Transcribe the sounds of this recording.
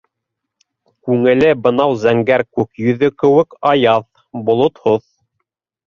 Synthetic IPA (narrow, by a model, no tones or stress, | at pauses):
kʉŋɘ̆lɘbɤ̆nɑwzæŋɡæɾkʉkjɵ̆ðɵkɘ̆wɘkɑjɑð | bŏlˠot̪hoθ